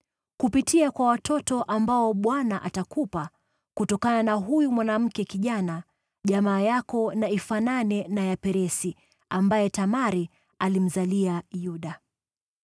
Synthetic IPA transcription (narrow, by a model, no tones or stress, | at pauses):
kupitiakwawatʰɔtɔʔambaɔɓwanaʔatakupa | kutɔkananaɦujumwanam̩kɛkiʄana | ʄamaːjakɔnaifananɛnajapɛɾɛsi | ambajɛtamaɾi | alim̩zaliajuɗa